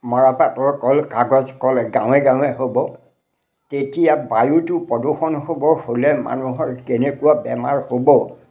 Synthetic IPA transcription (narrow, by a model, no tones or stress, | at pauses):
mɔɹapatɔɹkɔlkaɡɔzkɔlɛɡãw̃ɛɡãw̃ɛɦobɔ | tetijabajutʊpɔduxɔnhobɔɹholɛma̰nuɦɔɹkenekʊwabɛmaɹhobɔ